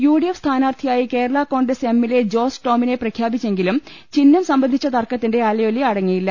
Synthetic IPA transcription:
juːɽijefst̪ʰaːnaːrt̪ʰijaːjike̞ːɾɐɭako̞ːɳɖese̞mːiled͡ʑo̞ːsʈo̞ːmine̞prɐkʰjaːbit͡ɕːe̞ŋɡilum | t͡ɕinːɐmsɐmbɐnd̪ʱit͡ɕːɐt̪ɐrkɐt̪ːinde̞aːlɐjolːiɐɽɐŋːijilːɐ

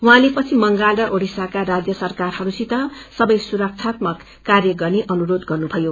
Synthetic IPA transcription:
wuɦãlepʌt͡sʰimʌŋɡalɖʌʔoɽisakaɾad͡zjʌsʌrkarhʌɾusit̪ʌsʌbʌjsuɾʌk̚t͡sʰat̪mʌkːarjʌɡʌrneʔʌnuɾod̪ɡʌrnubʱʌjo

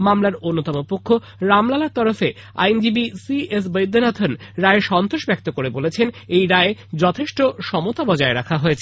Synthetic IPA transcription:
mamlaɾonːot̪ɔmopokʰːo | ɾamlalaɾt̪ɔɾofe | a̰jnd͡ʑibisies̬bəjd̪ʱːonat̪ʰonɾaeʃɔnt̪oʃbɛk̚t̪okoɾebolet͡ɕʰenejɾaed͡ʑɔt̪ʰeʃʈoʃɔmot̪abɔd͡ʑaeɾakʰaɦoet͡ɕʰe

